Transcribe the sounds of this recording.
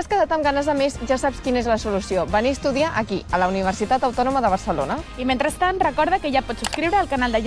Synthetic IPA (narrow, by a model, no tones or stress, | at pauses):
askəðat̪əmɡanəzðəmezʒasapskinəezləsulusiobəniəst̪uðiaʔəkiələuniβ̞əɾsit̪at̪əwt̪ɔnuməðəβ̞əɾsəlo̰nəimẽnt̪ɾəst̪anrəkɔɾðəkəʒapɔtsupskɾiwɾəːlkanalˠd̪əʒ